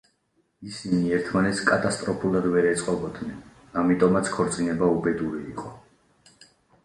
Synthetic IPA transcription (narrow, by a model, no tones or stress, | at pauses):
isiniɛɾt̪ʰmanɛt̪skʼat̪ʼast̪ʼɾɔpʰulˠad̪vɛɾɛt̪sʼqʼɔbɔd̪nɛn | amit̪ʼɔmat̪sʰkʰɔɾt̪sʼinɛbaubɛd̪uɾiːqʼɔ